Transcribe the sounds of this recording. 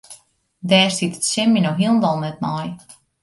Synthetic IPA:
dɛːrsitə̥tsɪminowɦiəlˠnʋɔlˠnɛt̚maj

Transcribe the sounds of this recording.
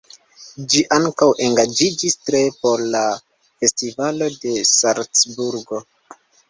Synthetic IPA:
d͡ʒiʔaŋkawʔe̞ŋɡad͡ʒid͡ʒistɾe̞po̞ɾla | fe̞stivalo̞de̞saɾt͡sbuɾɡo̞

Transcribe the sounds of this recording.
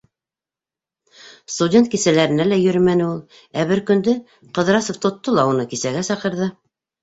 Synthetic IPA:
st̪udʲent̪̚kisælæɾɘ̆nælæjɵ̆ɾɘmænɘulˠ | æβɘɾkɵ̆nd̪ɵ | qɤ̆ðɾɑsŏft̪ŏt̪ːolˠɑunɤkisæɡæsɑqɤ̆ɾðɤ

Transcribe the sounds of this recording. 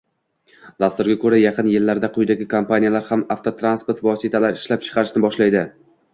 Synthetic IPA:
d̪ast̪ʊɾɡʲakʰɵɾajɑqʰɨnjɪlːaɾd̪aqʰʊjd̪aɡʲɪkʰampanijalaɾhamaft̪ʰot̪ʰɾanspoɾt̪vɒsit̪ʰalaɾɪʃlap̚t͡ʃʰɨ̥qʰɑɾɪʃnɪbɒʃlajd̪ɪ

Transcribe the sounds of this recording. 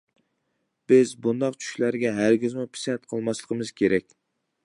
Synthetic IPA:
b̥ɪzbund̪ɑqt͡ʃʰy̥ʃlæɾɡʲɛɦæɾɡʲizmupʰi̥sɛt̪̚qʰəlˠmɑslˠəqʰəmɨz̥kʲʰeɾɛk̚ʲ

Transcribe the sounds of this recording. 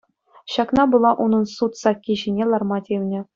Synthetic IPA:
ɕɑknɑbulˠɑʔunɤ̆nsut̪sɑkʲːiʑinʲelˠɑrmɑtʲeʋʲnʲɘ̆

